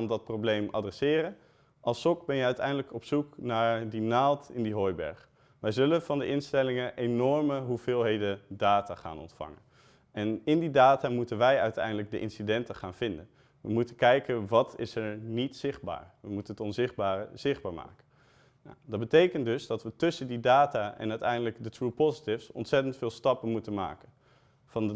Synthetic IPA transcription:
ndɑt̚prowblejmɑ̰drɛsɪːrən | ʔɑlˠsɔk̚bɛnjəœɥtɛ̰jndələkɔpsuknaːɹdinaːlˠtɪndiɦɔjbɛ̰ɹχ | ʋɛjzɵlənv̥ɑndəʔɪnstɛlɪŋəʔejnɔɹməɦuvɪːlˠɦejdədaːtaːχa̰ːnɔ̰ntfɑ̰ŋə̰n | ɛnɪndidaːtaːmutənʋɛjœɥtɛ̰jndələɡ̚dəʔɪ̰nsidɛntəχaːnv̥ɪndən | ʋəmutəkɛjkənʋɑtʰɪsɛɹnitsɪχd̚ba̰ːɹʋəmutənətɔnzɪχd̚baːrə̰z̥ɪχd̚baːɹma̰ːkə | n̰dɑd̚bətejkəntdɵzdɑtʋətɵsəndidaːtaːɛ̰nœɥtɛjndələɡdətɹupozitɪfsɔ̰ntsɛtəntfɪːlˠstɑpənmutənma̰ːkən | vɑn

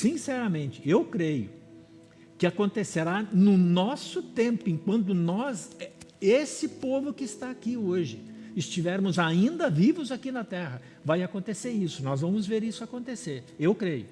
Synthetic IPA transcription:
sĩsɛɾɐmẽnt͡ʃɪ̥ewkɾejʊ | kɪakõnt̪eseɾanʊnɔsʊt̪ẽmpʊẽŋkwɐ̃nt̪̬ʊnɔzɛesɪpovʊkɪːst̪aːkioʒɪɪst͡ʃivɛɾmʊzaĩnd̪ɐvivʊzakinɐt̪ɛɦɐ | vajakõnt̪eseɾisʊnɔzvɐ̃mʊzveɾisʊakõnt̪eseɾewkɾejʊ

